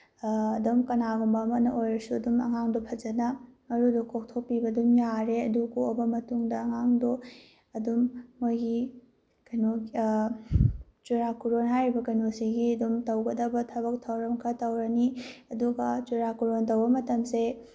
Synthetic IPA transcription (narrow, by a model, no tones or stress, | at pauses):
domkɐnaɡumbɐːmɐnɐʔojɾɐsuɐdumɐŋaŋdopʰɐd͡ʒɐnɐmɐɾudukʰok̚tʰok̚pibɐdumjaɾeɐdukuobɐmɐtuŋdɐɐŋaŋdo | ɐdumːojɡi | kɐjno | t͡ʃuɾakuɾonɦajɾibɐkɐjnosiɡiɐdumtɐwɡɐdɐbɐtʰɐβɐk̚tʰɐwɾɐmkʰɐtɐwɾɐniɐduɡɐt͡ʃuɾakuɾontɐwbɐmɐtɐmse